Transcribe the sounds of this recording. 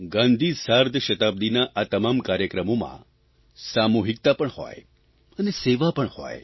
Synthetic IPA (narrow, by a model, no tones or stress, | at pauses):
ɡãnd̪ʱisaɾd̪ʱəʃət̪ab̚d̪inaʔat̪əmamkaɾjəkɾəmomã̰ | samuɦik̚t̪apəɳho̰j | əneseʋapəɳho̰j